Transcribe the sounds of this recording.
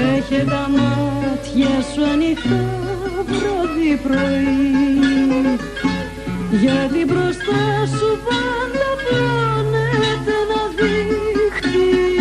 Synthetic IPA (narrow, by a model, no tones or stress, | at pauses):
eçet̪ɐmɐt̪çɐsuɐnit̪ɐpɾoðipɾo̞i | ʝɐt̪ibɾo̞st̪ɐsupɐnd̪ɐplɐnet̪e̞nɐðixt̪i